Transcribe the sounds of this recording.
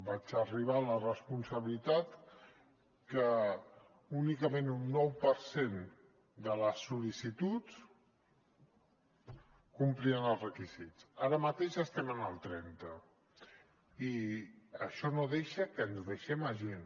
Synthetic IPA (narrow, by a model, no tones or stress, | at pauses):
bad͡ʒəriβ̞alərəspunsəβilit̪at̪ | kə | unikəmenunːɔwpəɾsen | d̪ələsːulisit̪ut͡s | kumpliənəlˠzrəkizit͡saɾəmət̪eʃəst̪ɛmənəlˠt̪ɾɛnt̪ə | iəʃɔnoðeʃəkənzðəʃɛməʒen